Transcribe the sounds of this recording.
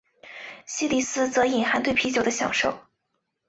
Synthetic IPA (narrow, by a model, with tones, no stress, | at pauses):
ɕi˥li˨˩sɹ̩˥t͡sɤ˧˥i˨˩nxa˧˥nt̪we˥˩ɪpʰi˧˥t͡ɕjo˨˩ʊd̪ə˦ɕjɑ̰˨˩ŋʂo˥˩ʊ